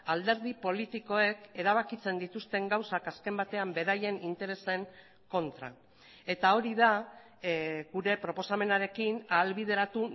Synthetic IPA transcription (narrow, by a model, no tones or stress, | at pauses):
ald̪e̞ɾðipo̞lit̪iko̞e̞ke̞ɾaβ̞akit͡se̞nd̪it̪ust̪e̞ŋɡawsakaske̞mbat̪e̞ambe̞ɾaje̞nint̪e̞ɾe̞se̞ŋ | ko̞nt̪ɾa̰ | e̞t̪ao̞ɾiða | ɣuɾe̞pɾo̞po̞same̞naɾe̞kinaːlβið̞e̞ɾat̪u